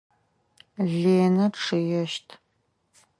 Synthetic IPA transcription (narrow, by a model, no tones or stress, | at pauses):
ɮeːnɐʈ͡ʂʰɨjɛʃtʰ